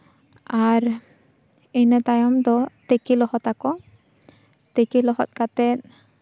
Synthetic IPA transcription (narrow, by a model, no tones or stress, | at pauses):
aɾ | ejnɛt̪ajɔmt̪ɔt̪ekilɔhɔt̪akɔ | t̪ekilɔɦɔ̰t̪̚kat̪ɛt̪̚